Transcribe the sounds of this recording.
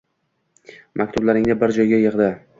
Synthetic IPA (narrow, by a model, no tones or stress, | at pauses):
mʔakʲt̪ʰʊblaɾɪŋnɪbɪɾd͡ʒɒjɡʲajɨʁd̪ɪ